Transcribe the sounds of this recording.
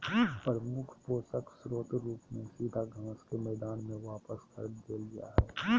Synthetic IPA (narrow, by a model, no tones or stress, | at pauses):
pɾəmʊkʰpoːsəksɾoːt̪ɾuːpnẽsiːd̪ʱaɡʱãːskemɛːd̪aːnmẽʋaːpəskə̰ɾd̪eːlija̰ɦɛː